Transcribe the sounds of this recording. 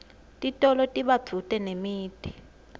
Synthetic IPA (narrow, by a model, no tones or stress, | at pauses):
tʼitʼɔlɔtʼiɓḁd͡v̥ʰʱutʼɛnemiːd̥ʱi